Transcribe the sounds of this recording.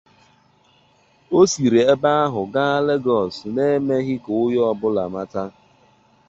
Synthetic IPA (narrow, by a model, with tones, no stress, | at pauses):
o˦si˨ɾe˨e˦ba˦a˦ɦʊ˨ɡa˦a˦le˦ɡɔ˨sne˦e˦me˦ɦɪ˦kʊ˨ʊ˦jɔ˦ɔ˦bʊ˦la̰˨ma˦ta˦